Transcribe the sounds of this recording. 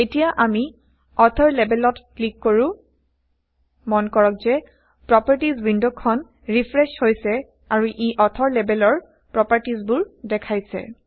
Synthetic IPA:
etijaʔami | ɔtʰɔɹlɛbɛlɔtklikːoɹũ | mɔnkɔɹɔk̚zɛ | pɹɔpaɹtizwindokʰːɔn | ɹipʰɹɛʃhojsɛ | aɹuʔiʔɔtʰɔɹlɛbɛlɔɹ | pɹɔpaɹtizbuɹdɛkʰajsɛ̰

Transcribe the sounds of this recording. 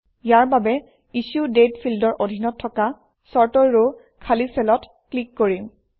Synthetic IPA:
jaɹbabɛ | isudetpʰildɔɹʔodʱinɔtʰːɔka | sɔɹtɔɹo | kʰalisɛlɔt | klikːoɹim

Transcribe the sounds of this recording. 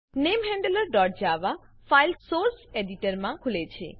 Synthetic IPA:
nemɦɛɳɖələɾɖɔʈ̚d͡ʒaʋa | fajlsoɾseɖiʈəɾmãkʰulet͡ʃʰḛ

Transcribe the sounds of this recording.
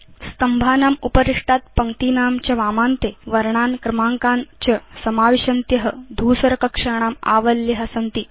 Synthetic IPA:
st̪ɐmbʱaːnaːmupəɾiʂʈat̪̚pɐŋt̪iːnaːmt͡ɕɐʋamant̪eʋɐɾɳaːnkɾɐmaŋkant͡ɕɐsɐmaːʋiɕɐnt̪jɐɦəd̪ʱuːsɐɾɐkɐkʂaɳ̃aːma̰ʋəljeɦəsɐnt̪i

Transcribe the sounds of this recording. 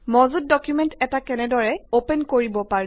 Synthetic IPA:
mɔzut̚dɔkjumɛntɛtakɛnɛdɔɹɛopɛnkoɹibɔpaɹ

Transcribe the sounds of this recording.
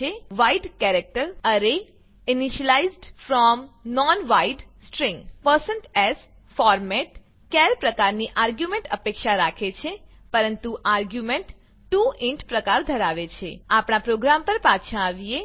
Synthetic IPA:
eʋaiɖkɛɾek̚ʈəɾəne | iniʃəlaizɖfɾɔmnɔnʋaiɖsʈɾĩŋɡpəɾsəɳʈɛz | fɔɾmɛʈ | kɛɾpɾəkaɾniʔaɾɡjumẽɳʈəpekʃaɾakʰet͡ʃʰe | pəɾənt̪uʔaɾɡjumeɳʈ | ʈuʔɪ̃ɳʈpɾəkaɾd̪ʱəɾaʋet͡ʃʰeapɳ̃apɾoɡɾampəɾpat̪ʃʰãaʋije

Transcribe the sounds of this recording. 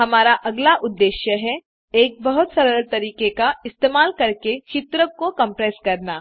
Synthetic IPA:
ɦɐmaːɾaʔɐɡlaʔʊd̪ːeːʃjəɦɛ | eːk̚bɐɦʊt̪sɐɾəɾt̪ɐɾiːkekaɪst̪eːmaːlkɐɾket͡ʃɪt̪ɾəkokɐ̃mpɾɛːskɐɾnaː

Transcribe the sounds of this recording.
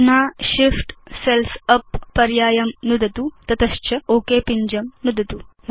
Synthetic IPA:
naːʃifʈselsɐpːɐɾjaːjɐmnud̪ɐt̪ut̪ɐt̪ɐʃt͡ʃɐoːkeːpiɲd͡ʒɐmnud̪ɐt̪u

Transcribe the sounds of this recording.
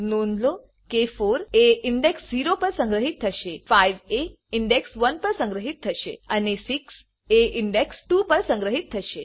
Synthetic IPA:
nond̪lo | kefoɾeiɳɖeksziɾopəɾsə̃ŋɡɾəɦit̪ʰːəʃefajʋe | iɳɖeksʋənpəɾsə̃ŋɡɾəɦit̪ʰːəʃḛənesiks | eiɳɖeksʈupəɾsə̃ŋɡɾəɦit̪ʰːəʃe

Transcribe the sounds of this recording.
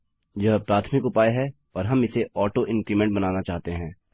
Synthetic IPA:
jɐɦpɾaːt̪ʰmɪkʊpaːeɦɛ | ɔːɾɦɐmɪseɔːʈoʔɪ̃ŋkɾiːmɛ̃ɳʈ̚bɐnaːnat͡ʃaːɦt̪eɦɛ̃ː

